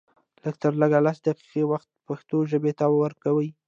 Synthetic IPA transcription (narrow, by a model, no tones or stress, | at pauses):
ləɡ̚t̪əɾləɡalasd̪aqi̥qewaxt̪̚paxt̪oʒəbet̪awwəɾkawəj